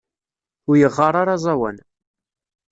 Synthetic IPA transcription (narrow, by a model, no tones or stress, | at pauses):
ʊɾjəʁːɑɾˤaɾɑzˤɑwæ̰n